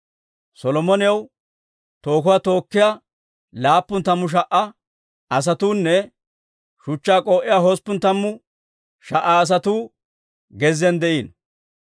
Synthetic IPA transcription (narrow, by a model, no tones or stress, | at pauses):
sɔlɔmɔnɪjɐw | t̪o̞ːkʊwaːt̪o̞ːkːɪja | laːpːʊnt̪ɐmːʊʃ̬ɐʔːɐ | ɐs̬ɐt̪uːnːɛ | ʃʊt͡ʃːaːkʼoːʔɪjaːɦospːʊnt̪ɐmːʊ | ʃɐʔːaːs̬ɐt̪uː | ɡɛzɛnd̪ɛʔiːn